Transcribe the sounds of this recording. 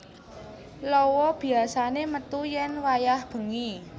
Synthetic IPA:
lɔwɔb̥i̤asanemət̪ujɛnwajahb̥ə̤ŋi

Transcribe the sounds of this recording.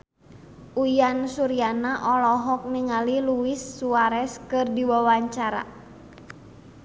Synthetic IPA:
ujansuɾianaʔɔlɔɦɔk̚niŋaliluisːuaɾɛskɨrdiwawaɲt͡ʃaɾa̰

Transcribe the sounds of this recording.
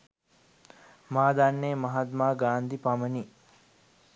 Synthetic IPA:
maːd̪anːeːmɐɦat̪maːɡaːnd̪ipaməni

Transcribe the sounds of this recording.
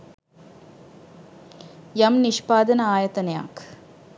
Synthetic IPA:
jɐmniʃpaːd̪ɐnɐaːjɐt̪ɐnɐja̰ːk

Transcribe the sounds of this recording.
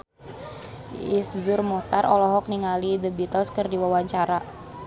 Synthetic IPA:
iszurmɔt̪arʔɔlɔɦɔk̚niŋalidəbit̪əlskərdiwawaɲt͡ʃaɾa

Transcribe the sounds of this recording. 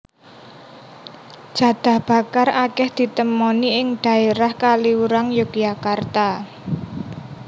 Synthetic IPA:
d͡ʒ̥ä̤d̪̥a̤hb̥a̤karakɛhd̪̥i̤t̪əmoniɪŋd̪̥ä̤eɾahkaliuɾaŋjukjakart̪a

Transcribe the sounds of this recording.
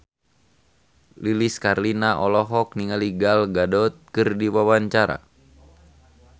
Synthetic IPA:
liliskarlinaʔɔlɔɦɔk̚niŋaliɡalɡadɔt̪̚kɨrdiwawaɲt͡ʃaɾa̰

